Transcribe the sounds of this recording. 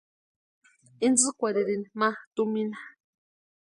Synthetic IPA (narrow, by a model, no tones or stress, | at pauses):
ind͡zɨkʷaɾiɾinimat̪umina